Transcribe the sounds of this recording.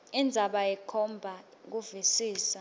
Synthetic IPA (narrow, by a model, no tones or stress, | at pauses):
ind͡zʱaɓajɛkʰɔmbʱa | k̬uvisiːsa